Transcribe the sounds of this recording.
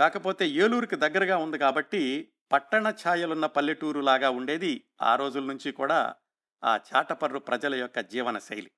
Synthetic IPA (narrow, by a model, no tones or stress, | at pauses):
kaːkɐpo̞ːt̪e̞ːjeːluːɾukid̪ɐɡːɐɾɐɡaːund̪ikaːbɐʈːi | pɐʈːɐɳɐt͡ʃʰaːjɐlunːɐpɐlːiʈuːɾulaːɡaːuɳɖe̞ːd̪i | a̰ːɾo̞ːd͡ʒulɐnuɲt͡ʃikuːɽa̰ː | a̰ːt͡ʃaːʈɐpɐɾːupɾʔɐd͡ʒɐlɐjɔkːɐd͡ʒiːʋɐnɐsɐ̰jli